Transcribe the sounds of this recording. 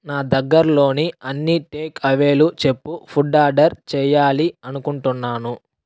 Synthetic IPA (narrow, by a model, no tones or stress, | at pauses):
naːd̪ɐɡːɐɾlo̞ːniɐnːiʈeːkʰɐʋe̞ːlut͡ʃe̞pːupʰuɖaːɖɐɾt͡ʃɛːjaːliɐnukuɳʈunːaːnu